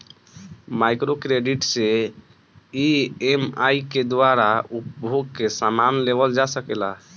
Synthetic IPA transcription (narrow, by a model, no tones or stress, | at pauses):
majkɾokɾeɖiʈse | iemajked̪waɾaupbʱoɡ̚kesamanlebəld͡ʒasəkela̰